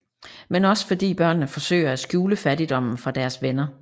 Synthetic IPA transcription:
menɒ̽sfɒ̽d̥ḭːb̥ɶɐ̰nːəfɒ̽sø̰ɪ̰ɐæsɡ̥juːləfæɾid̥ɒ̽m̰n̩fʁɑ̈d̥æɐsʋenɐ

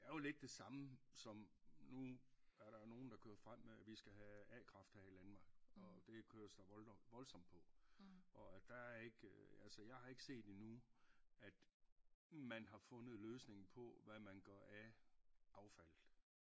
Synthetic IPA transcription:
æɐjo̝le̝d̥ːe̝sɑ̈məsɒ̽mnuæɐɾɑ̈no̝ːn̩d̥ɑ̈kʰøːɐfʁam̰meæʋisɡ̥æɦæɛːkʰʁɑ̈fd̥æhælænmɑ̈ːɡ̥ɒ̽d̥e̝kʰøːɐsd̥ɑ̈ʋɒ̽lsɒ̽m̰pʰɒ̽ʔɒ̽d̥ææɐe̝ɡ̥ælsəjɑ̈ɪhɑ̈e̝ɡ̥se̝̰ːd̥inu | æd̥ | mænɦɑ̈fɔ̽nð̞̩ˠløːsne̝ŋn̩pʰɒ̽ʋæmænɡ̥ɶɐæʔɑ̈ʊfæl̰ð̥̩ˠ

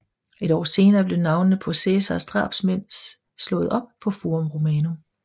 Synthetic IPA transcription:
e̝ɾɒ̰ːse̝ːnɐːb̥le̝nɑ̈ʊnnəpʰo̝sesɐsd̥ʁɑ̰̈ːb̥smen̰s | slɔ̽ːð̞̩ˠɒ̽b̥̚pʰɒ̽fumʁo̝mɛːno̝m

